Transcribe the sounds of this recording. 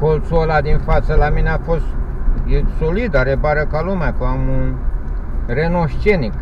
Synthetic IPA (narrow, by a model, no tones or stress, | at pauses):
kolt̪suolad̪infat̪səlamineafost̪jesolid̪aɾebaɾəkalumakəamun | renoʃt͡ʃenik